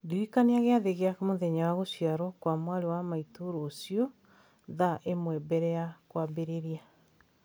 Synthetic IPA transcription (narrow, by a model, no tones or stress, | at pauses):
ɡeikaneaɣeaðeɣeakmoðɛɲawaɣosiaɾɔkwamwaɾewamaitoɾoːsiɔ | ðaʔemwɛbɛɾɛakwabeɾeɾia